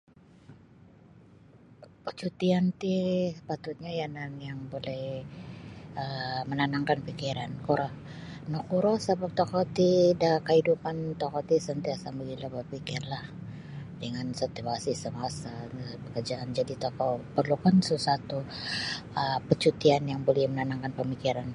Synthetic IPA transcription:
pət͡ʃut̪iant̪isə̥pat̪ʊt̪̚ɲajananjaŋbolɛh | əmənanaŋkanpikiɾankuɾɔh | nɔkuɾɔsəbap̚t̪okɔt̪idakəhidupant̪ɔkɔt̪isənt̪iasaməɡilabərpikɪrlah | dəŋansot̪uasisəmasapəkərd͡ʒaːnd͡ʒadit̪okɔpərlukansusat̪u | əpət͡ʃut̪ianjaŋbolɛhmənanaŋkanpəmikiɾan

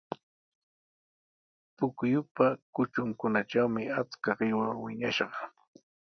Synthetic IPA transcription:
pʊkjʊpakʊt͡ʃʊŋkʊnaʈ͡ʂawmɪat͡skaɢɪwaŋwɪɲaʃɢɑ

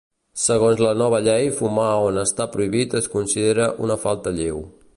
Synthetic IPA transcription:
səɣ̞onzlənɔβ̞əʎɛjfumaonəst̪apɾuiβit̪əskunsiðeɾəʔunəfalˠt̪əʎew

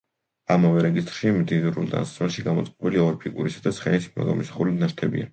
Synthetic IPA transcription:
amavɛɾɛɡist̪ʼɾʃimd̪inuɾṵlˠd̪a̰nssmɛlˠʃiɡamɔt̪sʼqʼɔbiliɔɾpʰikʼuɾisad̪asχɛnismɔ̰ɡa̰mɔsḁχulit̪naʃt̪ʰɛbḭa̰

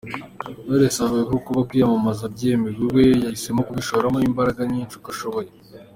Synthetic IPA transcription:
noɾesaβekokuβakwiːjamumazabɟemiɡiwe̞jaise̞mokuβiʃoβɾamoimbaɾaɡaɲiːnt͡ʃukaʃo̞βo̞je

